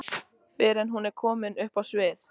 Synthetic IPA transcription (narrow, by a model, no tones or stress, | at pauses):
fɪɾɛnɦunɛɾkʰɔːmɪnʏhpawsvɪːθ